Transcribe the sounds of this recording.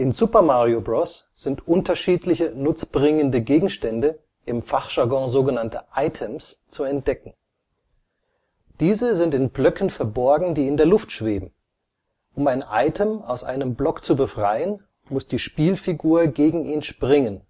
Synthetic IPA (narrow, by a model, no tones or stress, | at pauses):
ʔɪnzupɐmaʁiobʁɔsz̥ɪntʔʊntɐʃiːtlɪçənʊt͡sb̥ʁɪŋəndəɡeːɡŋ̩ʃtɛndə | ʔɪmfaχʒ̥aɡɔ̃zoːɡənantə̰ʔaɪtʰəmst͡suɛnt̚d̥ɛkŋ̩ | d̥iːzəzɪntɪnblœkn̩fɛɐbɔɐɡŋ̩diːɪndeːɐlʊftʃv̥eːbm̩ | ʔʊmaɪnʔa̰ɪtʰəmaʊsʔa̰ɪnəmblɔkt͡subəfʁ̥aɪən | mʊsd̥iːʃpiːlfiɡuːɐɡeːɡŋ̩ʔiːnʃpʁ̥ɪŋən